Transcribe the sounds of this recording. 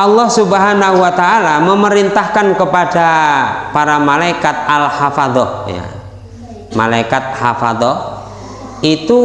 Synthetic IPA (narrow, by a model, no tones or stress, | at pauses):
ʔɑlːɑhsubɦanaɦuwat̪aːlaməməɾint̪ahkankəpadapaɾamalaikat̪̚alhafad̪ɔja̰ | ma̰laikat̪̚hafa̰d̪ɔ | it̪u